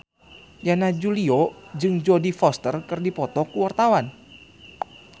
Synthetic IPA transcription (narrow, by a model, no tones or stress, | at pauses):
janad͡ʒuliɔd͡ʒɨŋd͡ʒɔdifɔst̪ərkɨrdipɔt̪ɔkuwart̪awan